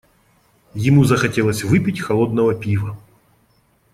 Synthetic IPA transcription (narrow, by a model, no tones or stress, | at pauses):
jɪmuzɐxɐtʲelˠəsʲvɪpʲitʲxɐlˠod̪nɐvɐpʲivɐ